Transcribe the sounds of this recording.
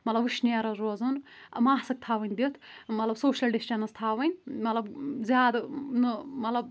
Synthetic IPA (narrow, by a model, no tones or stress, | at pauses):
mɐt̪lɐbɨʃniɐɾɐɾozɨn | ɐmaːɦsɐk̚t̪ʰaːʋɐnʲd̪it̪ʰmɐt̪lɐbsoːʃɐlɖisʈʲɐnɐst̪ʰaːʋɐnʲmɐt̪lɐbzjaːd̪ɐnɨmɐt̪lɐb̚